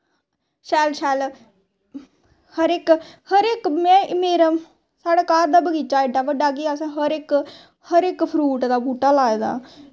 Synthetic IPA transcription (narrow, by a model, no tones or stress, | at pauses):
ʃɛːlʃɛːl | həɾɪkhəɾɪkmɛ̃ːmeːɾə | saːɽaːkaːɾd̪aːbəɡiːt͡ʃaːɪɖaːʋəɖaːɡiːas̬ãːɦəɾɪk | həɾɪkpʰɾuːʈd̪aːbuːʈaːlaːed̪a̰ː